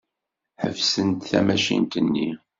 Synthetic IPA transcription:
ħəvsənt̪θæmæʃḭnt̪ənːi

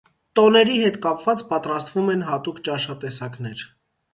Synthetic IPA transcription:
t̪ɔnɛɾihɛt̪kɑpvɑt͡spɑt̪ɾɑst̪vumɛnɦɑt̪ukt͡ʃɑʃɑt̪ɛsɑknɛɾ

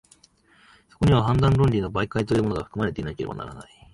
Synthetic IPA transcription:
so̞̥ko̞ɲ̟iβaɦãnd̪ãnɾõɲɾʲino̞baikait̪o̞jɯ̟ːmonoɡaɸɯ̟̥kɯ̟maɾe̞t̪e̞inaike̞ɾe̞ba̰na̰ɾa̰na̰i

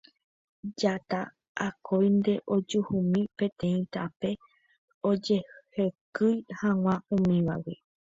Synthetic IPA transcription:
d͡ʒat̪a | ʔakʰojnd̪e̞ʔo̞d͡ʒuhumĩpẽ̞t̪ẽ̞ĩt̪ape̞ | od͡ʒe̞hhekɨjhãŋ̃ãũmĩʋa̰we

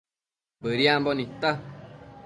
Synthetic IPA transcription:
bəɾiambɔnĩt̪a

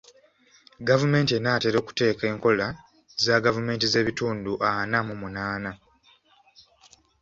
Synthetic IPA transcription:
ɡavume̞ːntie̞naːte̞ɾo̞ːku̥te̞ːke̞ːŋko̞la | zaɡavume̞ːntize̞ːβituːnduʔanamumunaːna

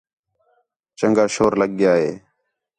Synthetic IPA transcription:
t͡ʃəŋɡaːʃoːɾləɠ̚ːɪjaːɦeː

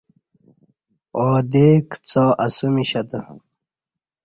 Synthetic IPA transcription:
oːd̪eːkt͡sɔːʔɐsumiɕɐd̪ə

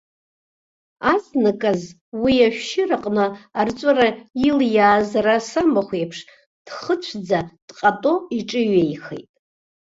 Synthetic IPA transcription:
aznakʼaz | wiaʃʷᶣʃɪraqʼnɨːrt͡ʃʷʼaɾailjaːzarasamaχʷejpʰʂ | d̥χət͡ʃʷʰd͡zad̥qʼatʼo̞iʈ͡ʂʼɨɥejχḛjtʼ

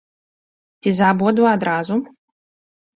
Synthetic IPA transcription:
t͡sʲizabɔd̪uad̪ɾazu

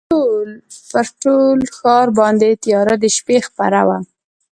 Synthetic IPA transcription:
olpəɾʈolxɑɾbɑnd̪et̪jɑɾad̪əʃpexpa̰ɾa̰wa

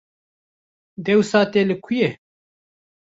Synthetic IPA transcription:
d̪ɛwsaːt̪elɨkʰuje

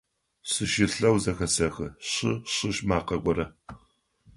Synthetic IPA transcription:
sɨʃɪɬɐwzɐxɐsɐxɨɕɪɕɨɕmaːqɐɡʷɔɾɐ

